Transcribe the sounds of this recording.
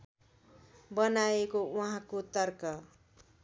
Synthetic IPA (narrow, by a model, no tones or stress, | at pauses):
bʌnaekouɦãkot̪ʌrkʌ